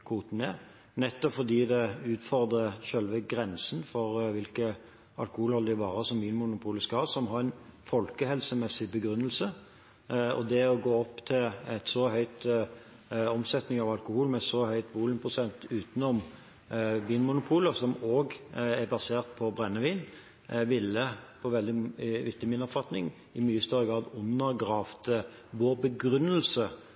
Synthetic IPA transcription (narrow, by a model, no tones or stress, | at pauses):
kʰuːt̪n̩ɛ | nɛt̪ːɔpfɔd̪iːd̪ɛʉːt̪fɔʁd̪ʁəʃœlʋəɡɾɛnsənfɔɾʋɪlkə | ɑ̰lkʊhuːlhɔld̪ɪʋɑːɾəsɔmbyːnmʊnʊpʰuːləskɑhɑːsɔmɦɑɾɛnfɔlkəhɛlsəmɛsːɪbəɡɾʉnːəlsə | ɔ̰d̪ɛɔɡoːɔpːt̪ʰɪlɛt̪sɔɦœʏt̪ | ɔmsɛt̪nɪŋɑʋɑlkʊhuːlmɛsɔhœʏt̪buːlənpʰʁʊsɛnt̪ʉːt̪nɔm | biːnmʊnʊpʰuːləsɔmoːɡɛɾbɑseːʁt̪̚pʰɔbɾɛnːəʋiːn | ʋɪlːəpʰɔʋɛld̪ɪʋɪt̪ɑmiːnɔpfɑt̪nɪ̰ŋ | ɪmyːəst̪œɾːəɡʁɑːd̪ʊnːəɾɡʁɑːft̪ə | ʋoːbəɡɾʉnːəlsə